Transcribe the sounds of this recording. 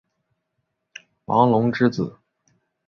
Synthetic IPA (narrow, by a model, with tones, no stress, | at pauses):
wɑ̰˧˥ŋlʊ˧˥ŋʈ͡ʂɻ̩˥t͡sɹ̩˨˩˦